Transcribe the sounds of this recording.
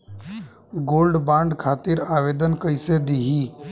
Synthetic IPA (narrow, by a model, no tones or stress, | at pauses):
ɡoːlɖbãːɳɖkʰaːt̪iɾaːʋeːd̪ənkəised̪iːɦiː